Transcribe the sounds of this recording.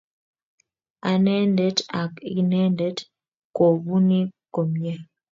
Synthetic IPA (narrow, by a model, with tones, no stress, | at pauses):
a˨nɛ˦ndɛ˦ta˨kḭ˦nɛ˦ndɛ˦t | ko˨bu˦ni˦ko˨mjɛ˦